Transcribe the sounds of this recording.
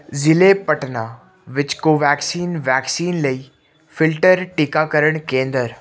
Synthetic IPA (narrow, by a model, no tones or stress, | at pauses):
zɪlepɐʈna | ʋɪt͡ɕkoːʋɛːksiːnʋɛːksiːnlɐiː | fɪlʈəɾʈɪkakɐɾəɽ̃kẽːnd̪əɾ